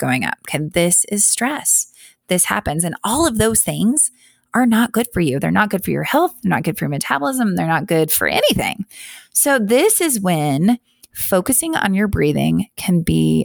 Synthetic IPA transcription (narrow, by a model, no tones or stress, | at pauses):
ɡ̥oʊɪ̃ŋʌ̰p̚kʰɨ̃ðɪsɪz̥stɹ̥ɛs | ðɪshæ̰pɨ̃nzɨ̃nɔlˠʌvðoʊz̥θɪ̃ŋz̥ | ʔə˞nət̚ɡ̥ʊd̥fə˞jʉðə̰˞nət̚ɡ̥ʊd̥fə̰˞jə̰˞hɛlˠθðə˞nət̚ɡ̥ʊd̥fə˞jəmɨtʰæbl̩ˠɪzə̃mðə˞nət̚ɡ̥ʊd̥fə̰˞ʔɛ̰niθɪ̰̃ŋsoʊðɪsɨzwɨ̃n | foʊkɨsɪ̃ŋə̰̃njə˞bɹiðɪ̰̃ŋkʰɨ̃nbḭ